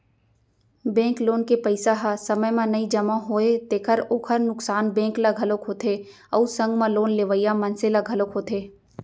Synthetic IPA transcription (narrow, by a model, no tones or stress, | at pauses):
bɛ̃ːŋkloːnkepəɪsaɦasɐməjmãnɐid͡ʒɐmãɦoːet̪eːkʰəɾoːkʰəɾnʊksaːnbɛ̃ːklaɡʱɐlokɦoːt̪ʰe | ɔ̰usɐ̃ŋɡmãloːnleːʋəɪjamɐ̃nselaɡʱɐlokɦoːt̪ʰeː